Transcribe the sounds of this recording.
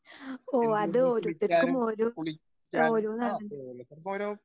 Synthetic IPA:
oːɐðɨoɾut̪ːɐkːumoːɾu | oːɾuːnaːɳ

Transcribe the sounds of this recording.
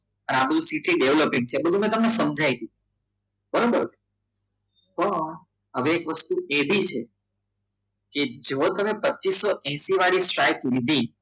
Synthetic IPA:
ənabəd̪ʱũsiʈliɖeʋləpɪ̃ŋɡ̚t͡ʃʰebəd̪ʱumɛ̃t̪əmnesəmd͡ʒʱajd̪i | bəɾobəɾt͡ʃʰe̥ | pəɳ | ɦəʋeːkʋəst̪uebʱit͡ʃʰe | ked͡ʒot̪əmepətːʃisːoʔɛ̃siʋaɽisʈɾajt̪ʋid̪ʱi

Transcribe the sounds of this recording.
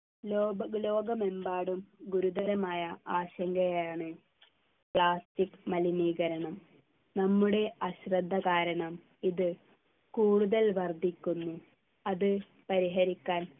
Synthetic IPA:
lːlo̞ːɡɐmembaːɽumɡuɾud̪ɐlɐmaːjɐaːɕɐŋɡɐjaːɳɨ | pɭaːstikːmɐliniːɣɐɾɐɳɐm | nɐmːuɽe̞ʔɐɕrɐd̪ʱːɐkaːɾɐɳɐm | iðɨ | kuːɽuðɐlʋɐrd̪ʱikʲːunːu | ɐðɨ | pɐɾiɦɐɾikʲːaːn

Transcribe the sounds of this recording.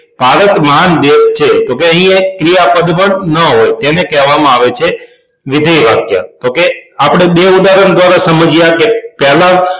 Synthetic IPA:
paɾət̪məɦand̪est͡ʃʰet̪okeəɦĩekɾijapəd̪ʱpəɳnəɦojt̪enekɛɦʋamãaʋet͡ʃʰe | ʋɪd̪ʱəjʋakja̰t̪okeapɽ̃ebeud̪aɾəɳd̪ʋaɾasəməd͡ʒjakepɛɦla

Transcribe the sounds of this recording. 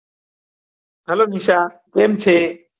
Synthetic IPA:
əloːniːʃaː | pɾeːmt͡ʃʰeː

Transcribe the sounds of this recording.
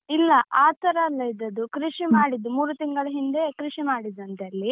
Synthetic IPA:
ilːɐʔaːt̪ɐɾɐːlːɐjid̪ɐd̪ukɾiʂimaːɽid̪umuːɾut̪iŋɡɐɭɐɦind̪e̞kɾiʂimaːɽid̪ɐnt̪eɐlːi

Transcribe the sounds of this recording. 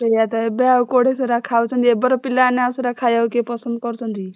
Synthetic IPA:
t̪ejat̪aebeawkoɽeseɾakʰawt͡sʰʌnt̪iebɔɾɔpilːanaseɾakʰajawkepʌsʌnd̪̚kɔɾt͡sʰʌnt̪i

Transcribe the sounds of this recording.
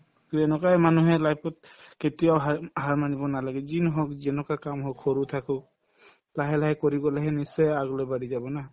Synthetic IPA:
kɛnɔkajmanuɦɛlajpɔt̚ketiawɦhaɹmanibɔnalaɡɛzinɦɔkzɛnɔkakamɦɔkʰɔɹut̪ʰakɔ | laɦɛlaɦjkɔɹiɡɔlaɦɛnisɛaɡɔlɔbadizabɔna

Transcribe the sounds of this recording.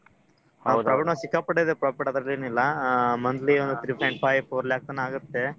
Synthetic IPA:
dɾɐɡɐɳosikːɐpɐɽed̪epɾaːpɐʈiɐd̪ɾɐlieːnuilːɐmɐnd̪liond̪ut̪ʰɾiːpʰɐjɳʈ̚pʰajpʰoːɾɐljaːk̚t̪ɐnaːɡut̪ːe̞

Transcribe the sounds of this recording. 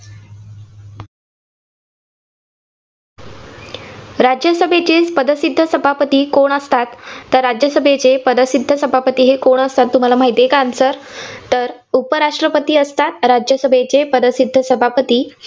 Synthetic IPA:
ɾad͡ʑjəsəbʱet͡ɕet͡spəd̪əsid̪ʱːəsəbʱapət̪iːkoɳəst̪at̪ːəɾːad͡ʑjəsəbʱet͡sepəd̪əsid̪ʱːəsəbʱapət̪iːɦekoɳəst̪at̪ːum̤alam̤aɦit̪ekansəɾt̪əɾ | upəɾaʂʈɾəpət̪iːəst̪at̪ɾad͡ʑjəsəbʱet͡sepəd̪əsid̪ʱːəsəbʱapət̪iː

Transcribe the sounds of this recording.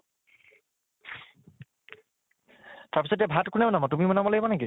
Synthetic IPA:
taɹpisɔdjɛbʱatkunɛmɔnamɔtumimɔnamɔlejmaneki

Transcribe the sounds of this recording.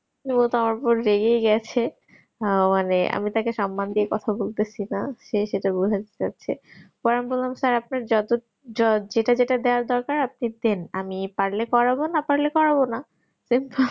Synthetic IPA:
imot̪oamaɾpɔɾːeɡejɡɛt͡ɕʰe | maneʔa̰mit̪akeʃɔmːand̪iekɔt̪ʰabolt̪et͡ɕʰinaʃeʃeʈabud͡ʑʱad͡ʑat̪a̰tːɕʰepɔɾambollamsaɾapnaɾd͡ʑɔt̪o | d͡ʑɔd͡ʑeʈad͡ʑeʈad̪eoaɾd̪ɔɾkaɾap̚nit̪enamipaɾlekɔɾabonapaɾlekɔɾabona | simpol

